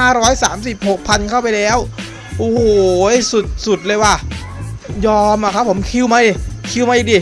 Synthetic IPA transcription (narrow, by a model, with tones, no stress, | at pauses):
aː˥˩ɾɔː˦˥jsaː˩˦msi˨˩p̚ho˨˩k̚pʰa˧nkʰa˥˩wpa˧jlɛː˦˥˩w | ʔoː˧˩ho˨˩su˨˩t̪̚su˨˩t̪̚lɤː˧jwaː˥˩ | jɔː˧mʔa˧kʰa˦˥pʰːo˩˦mkʰi˧˥˨wma˦˥i˧˩kʰi˧wma˦˥i˧˩diː˧˩